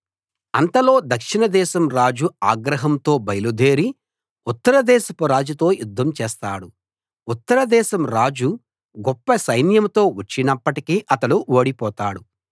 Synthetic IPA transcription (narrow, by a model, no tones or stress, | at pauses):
ɐnt̪ɐlo̞ːd̪ɐkʂinɐd̪ɛːʃɐmɾaːd͡ʒuaːɡɾɐɦɐmt̪o̞ːbɐjɐlud̪ʱeːɾi | ut̪ːɐɾɐd̪ɛːsɐpɐɾaːd͡ʒut̪o̞ːjud̪ːɐmt͡ʃɛːst̪aːɽu | ut̪ːɐɾɐd̪ɛːʃɐmɾaːd͡ʒu | ɡɔpːɐsɐjnjɐmt̪o̞ːʋɐt͡ʃːinɐpːɐʈikiːʔɐt̪ɐluoːɽipɔːt̪aːɽu